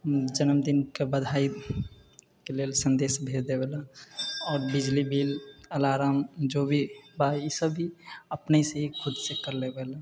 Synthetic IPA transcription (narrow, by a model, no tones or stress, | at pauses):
d͡ʒənəmd̪inkebəd̪ʱaːi | keleːlsə̃nd̪eːsbʱed̪ebelaɔːɾbɪd͡ʒlibʱiːləlaːɾaːmd͡ʒobʱibaisəbʱiəpnəiseɦikʰʊd̪sekəɾlebeːla